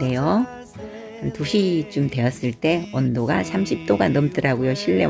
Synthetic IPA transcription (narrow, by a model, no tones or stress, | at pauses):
e̞jo | tuɕʰit͡ɕomtwe̞jʌs͈ɯɭt͈e̞ʌndoɡa̰sʰamɕʰip̚t͈oɡanʌmt͈ɯɾaɡujoɕʰiɭːe̞̰